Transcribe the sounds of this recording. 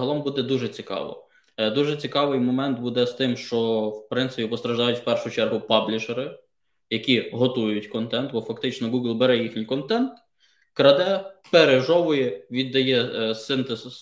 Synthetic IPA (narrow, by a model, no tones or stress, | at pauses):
ɦɐlˠɔmbud̪ɛd̪uʒɛt͡sʲikɑ̰ʋɔ̰ | d̪uʒɛt͡sʲikɑʋɪjmɔmɛnt̪̚bud̪ɛst̪ɪmʃt͡ʃɔwpɾɪnt̪sɪpʲipɔst̪ɾɐʒd̪ɑjʊtʲwpɛrʃʊt͡ʃɛrɦʊpɑblʲɪʒeɾɪ | jɐkʲiɦɔt̪ujʊtʲkɔnt̪ɛnt̪bɔfɐkt̪ɪt͡ʃnɔɡuɡlˠbeɾɛjixnʲijkɔnt̪ɛnt̪ | kɾɐd̪ɛpeɾeʒɔʋʊjɛʋʲid̪ːɐjɛsɪnt̪ez